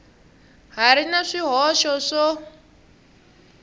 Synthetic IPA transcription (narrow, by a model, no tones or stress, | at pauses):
ɦaɾinaʂiɦɔʃɔʂɔ